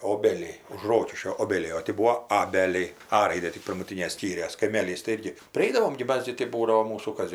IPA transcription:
ˈoːbʲɛlʲɛɪ ʊʃ ˈroːkʲɪʃʲkʲoː ˈoːbʲɛlʲɛɪ oː ˈtʲɪ ˈbuːoː ˈɑːbʲɛlʲɛɪ ˈɐ ˈrɐɪdʲeː tʲɪk pʲɪrmʊˈtʲiːnʲeː ˈsʲkʲiːrʲeːs kɐɪˈmʲeːlʲiːs tɐɪ ˈɪrʲɡʲɪ pʲrʲɪˈɐɪdɐʋoːm ɡʲɪ ˈmɐs ɡʲɪ tɐɪ ˈbuːdɐʋoː ˈmuːsuː ˈkɐs

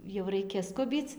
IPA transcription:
jɛʊ ˈrɐɪkʲɛ ˈskʊbʲiːt͡s

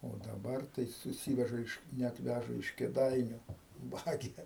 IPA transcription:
oː dɐˈbɐr tɐɪ sʊˈsʲiːʋʲɛʒɐ ɪʃ nʲɛt ˈʋʲæʒɐ ɪʃ kʲeːˈdɐɪnʲʊ ˈʋɑːɡʲɛ

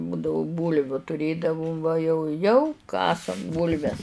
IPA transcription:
ˈbʊdɐʋʊ ˈbuːlʲʋʲʊ tʊˈrʲeːdɐʋʊm ʋɐ jɛʊ ˈjɛʊ ˈkɑːsɐm ˈbuːlʲʋʲɛs

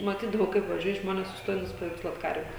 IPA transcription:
mɐˈtʲiːdɐʋɐʊ kɐɪp ʋɐˈʒʲuɔjɛ ˈʒmoːnʲɛs sʊsˈtoːjɛ nʊsʲɪpɐʋʲɛɪkˈslˠuɔt ˈkɐrʲʋʲɛ

